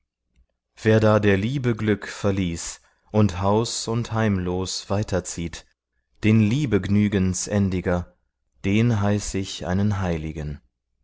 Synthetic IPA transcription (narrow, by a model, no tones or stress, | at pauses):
v̥eːɐdaːdeːɐliːbəɡlʏkfɛɐliːs | ʔʊnthaʊsʊnthaɪmloːsv̥aɪtʰɐt͡siːt | d̥eːnliːbəɡnyːɡənsʔɛndɪɡɐ | d̥eːnɦaɪsɪçʔa̰ɪnənɦaɪlɪɡən